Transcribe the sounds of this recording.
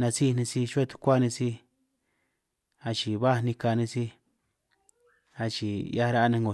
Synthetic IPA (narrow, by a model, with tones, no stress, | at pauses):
nã˧si˦˧nĩ˧si˧ʃa˦˧t̪u̥˧kʷa˦˧nĩ˧si˧ | a˧t͡ʃi˨βa˦˧nĩ˧ka˧nĩ˧si˦ | a˧t͡ʃi˨ja˦˧ɾa˦a˧nẽ˧ŋɡo˨